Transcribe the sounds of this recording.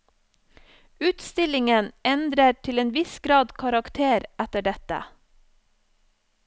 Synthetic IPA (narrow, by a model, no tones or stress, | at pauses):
ʉːt̪st̪ɪlɪŋənɛnd̪ɾəʈʰɪleːnʋɪsɡɾɑːd̪kʰɑɾɑkt̪ʰeːɾæt̪əɖɛt̪ə̰